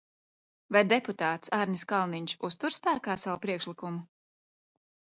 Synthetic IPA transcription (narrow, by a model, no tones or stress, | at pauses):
vajd̪eput̪aːt̪saɾnʲiskalˠniɲʃust̪uɾspæːkaːsawupɾiɛkʃlikumu